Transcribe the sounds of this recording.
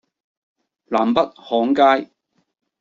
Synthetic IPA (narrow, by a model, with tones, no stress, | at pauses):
laː˨˩mpɐ˥t̚hɔː˨˥ŋkaː˥j